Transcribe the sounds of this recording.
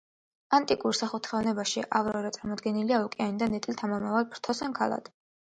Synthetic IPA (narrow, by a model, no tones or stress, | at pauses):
ant̪ʼikʼuɾsaχut̪ʰχɛvnɛbaʃiʔavɾɔɾɛt̪sʼaɾmɔd̪ɡɛniliaɔkʼɛanid̪anɛt̪ʼilt̪ʰamɔmavalˠpʰɾt̪ʰɔsɛnkʰalˠa̰d̪̥